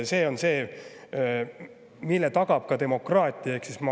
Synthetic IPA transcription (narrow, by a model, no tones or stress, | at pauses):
se̞ːo̞nse̞ː | milːet̪ɑɡ̥ɑb̥̚kɑt̪e̞mo̞krɑːt̪ʲˑiɑeksismɑ